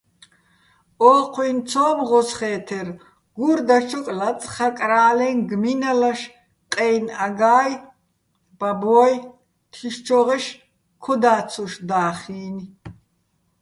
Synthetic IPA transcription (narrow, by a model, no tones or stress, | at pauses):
ɔːqʰwint͡sʰɔːmʁɔsχɛːt̪ʰɛr | ɡ̥uɾd̪at͡ʃʰɔkʼlat͡sʼχakʼɾaːlɛnɡminalaʃ | qʼɛjnaɡaːj | b̥abɔj | t̪ʰiʃt͡ʃʰɔʁɛʃ | kʰɔd̪aːt͡sʰɔʃd̪aːχiːn